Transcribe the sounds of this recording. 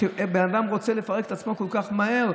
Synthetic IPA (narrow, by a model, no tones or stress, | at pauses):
benad̪amʁo̞t͡sele̞faʁeket̪at͡smo̞kolkaχmaɦe̞ʁ